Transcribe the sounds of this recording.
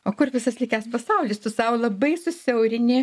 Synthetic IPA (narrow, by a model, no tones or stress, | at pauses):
oːkʊrʋʲɪsɐslʲˠiɪkʲæspɐsɐʊlʲist̪ʊsɐʊlˠɐbɐɪsʊsʲɛʊɾʲɪnʲɪ